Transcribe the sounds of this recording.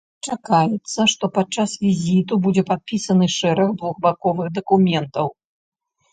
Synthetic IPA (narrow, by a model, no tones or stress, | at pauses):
t͡ʂakajɛt̪sːɐʂt̪ɔpad̪̚t͡ʂasvʲizʲit̪ubud͡zʲɛpat̪̚pʲisɐnɨʂɛɾɐɣd̪vuɣbakɔvɨɣd̪ɐkumʲɛnt̪ɐw